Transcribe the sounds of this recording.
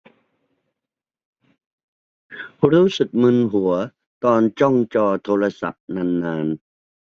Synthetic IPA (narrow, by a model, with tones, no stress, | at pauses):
ɾuː˦˥sɯ˨˩k̚mɯ˧nɦu˩˦ɐ | t̪ɔː˧nt͡ɕɔ˥˩ŋt͡ɕɔː˧t̪ʰoː˧ɾa˧sa̰˨˩p̚na˧˩nːaː˧n